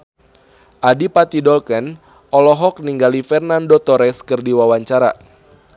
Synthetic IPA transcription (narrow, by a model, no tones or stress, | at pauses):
ʔadipat̪idɔlkɛn | ɔlɔɦɔk̚niŋɡalifɛrnandot̪ɔɾɛskɨrdiwawaɲt͡ʃaɾa̰